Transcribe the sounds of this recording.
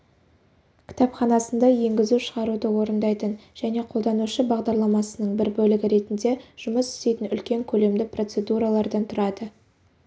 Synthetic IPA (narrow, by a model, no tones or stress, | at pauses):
kʲʰɪ̥t̪ɑpχɑnɑsənd̪ɑje̞ŋɡʲɪzuʃəʁɑɾud̪əwo̞ɾənd̪ɑjt̪ənʒ̥æne̞qʰolˠd̪ɑnuʃəbɑʁd̪ɑɾlˠɑmɑsənəɴbɪɾbɵlɪɡʲɪɾe̞t̪ɪnd̪e̞ʒ̥ʊməsʏ̥st̪e̞jt̪ɪnʏlkʲe̞ŋkʲʰɵle̞md̪ɪpro̞t̪se̞d̪uɾɑlˠɑɾd̪ɑnt̪ʰʊɾɑd̪ə